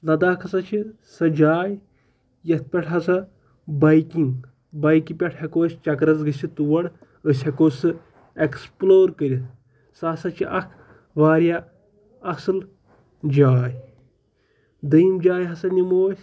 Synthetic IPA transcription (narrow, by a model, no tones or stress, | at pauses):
lɐd̪aːkʰɐsɐt͡ʃʰi | sɐd͡ʒaːj | jɐt̪̚ʰpʲɐʈʰɦɐsɐ | bɐjkiŋɡ | bɐjkipʲɐʈʰhɐkoːsʲt͡ʃɐkɾɐzɡɨsʲʰit̪uwɐɽ | əsʲhɐkoːsɨ | eksploːɾkəɾʲi | saːsɐt͡ʃʰiʔɐkʰ | ʋaːɾʲja | ɐsɨl | d͡ʒaːj | d̪ɐjmd͡ʒaːjɦɐsɐnimoːsʲ